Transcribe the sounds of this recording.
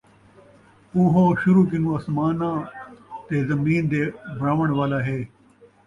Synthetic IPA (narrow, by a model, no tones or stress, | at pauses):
uɦoːɕuɾuːk̬inũːɐsmaːnãːt̪eːzɐmiːnd̪eːbʱɾaːʋɐɽ̃ʋaːlaːɦeː